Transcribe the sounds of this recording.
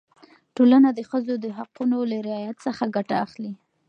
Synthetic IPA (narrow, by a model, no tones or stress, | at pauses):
ʈolanad̪əxəzod̪əɦaqunolaɾɪɑjat̪səxaɡaʈaːxli